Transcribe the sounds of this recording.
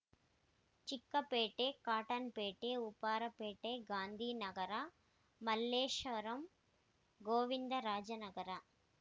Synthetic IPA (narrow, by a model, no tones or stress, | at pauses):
t͡ʃɪkːɐpeːʈːeːkaːʈɐnpeːʈːeːupːaːɾɐpeːʈːeːɡaːnd̪ʱiːnɐɡɐɾaː | mɐlːeːʂʋɐɾɐm | ɡoːʋind̪ɐɾaːd͡ʒɐnɐɡɐɾaː